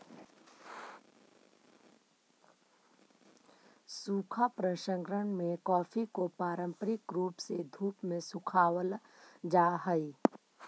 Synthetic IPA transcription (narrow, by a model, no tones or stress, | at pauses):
suːkʰapɾəʃə̃ŋɡɾəɽmẽkɔːfʰikopaːɾə̃mpəɾɪkɾuːpsed̪ʱuːpmẽsʊkʰaːwəl | d͡ʒaːɦəi